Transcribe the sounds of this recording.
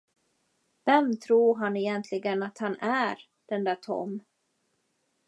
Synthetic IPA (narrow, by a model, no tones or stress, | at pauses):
vɛmt̪ʰɾuːɾɦanɛjɛnt̪ʰlɪɡənat̪hanæɾ | d̪̥ɛnd̪æt̪ʰɔ̰m